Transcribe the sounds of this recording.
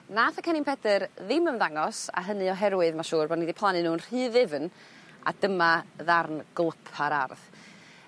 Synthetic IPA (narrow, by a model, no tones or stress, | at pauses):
naːθakʰənɪmpʰɛdərðɪməmðaŋɔsa̰ɦənɨɔɦɛɾwɨðmaʃuːrbɔdnidipʰlˠanɨnuːnr̥ɨːðɪvn | a̰dəmaðarnɡ̥lˠəpʰaɾa̰rð